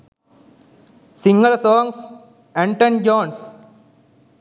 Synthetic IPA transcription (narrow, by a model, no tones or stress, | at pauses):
sĩŋɡəlsɔ̃ːŋs | ɛ̃ɳʈə̃nd͡ʒɔ̃ːns